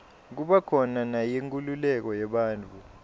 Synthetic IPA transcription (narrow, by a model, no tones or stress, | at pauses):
k̬uɓakʰɔnanajeŋkʼululɛk̬ɔjɛɓaːnt͡fʰʼu